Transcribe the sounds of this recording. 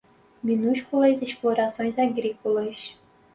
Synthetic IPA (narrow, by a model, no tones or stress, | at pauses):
mʲinuɕkulˠɐsesplˠoɾasonʲsaɡɾʲikulˠɐɕ